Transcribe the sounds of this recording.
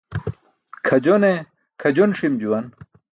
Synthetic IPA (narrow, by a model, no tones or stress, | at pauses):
kʰɐd͡ʑone | kʰɐd͡ʑonʂimd͡ʑuwɐn